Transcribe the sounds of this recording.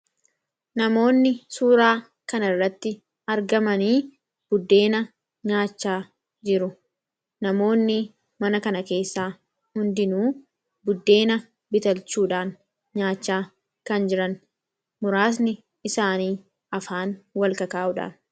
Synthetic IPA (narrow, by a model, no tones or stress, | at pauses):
nɐmo̞ːnːɪsuːɾaː | kɐnɐrːɐt̪ːɪ | ɐɾɡɐmɐniː | b̥ʊd̪ːe̞ːnɐ | ɲaːt͡ʃːaː | d͡ʒɪɾʊ | nɐmo̞ːnːɪ | mɐnɐkɐnɐke̞ːsːaː | hʊnd̪ɪnuː | bʊd̪ːe̞ːnɐ | bɪt̪ɐlt͡ʃuːᶑaːn | ɲaːt͡ʃːaː | kɐnd͡ʒɪɾɐn | mʊɾaːs̬nɪ | ɪsaːniː | ɐfaːnwɐlkɐkaːʔʊᶑa̰ː